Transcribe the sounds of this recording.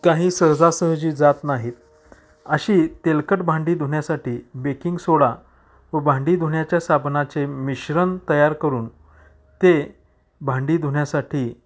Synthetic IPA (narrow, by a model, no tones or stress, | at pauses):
kaɦiːsəɾd͡zasəɦd͡ʑiːd͡zat̪naɦiːt̪̚ | əɕiːt̪elkəʈbʱãɳɖiːd̪ʱuɳjasaʈiːbekiŋɡsoɭa | ʋəbʱãɳɖiːd̪ʱuɳjat͡ɕjasabnat͡semiɕɾənt̪əjaɾkəɾuːn | t̪e | bʱãɳɖiːd̪ʱuɳjasaʈʰiː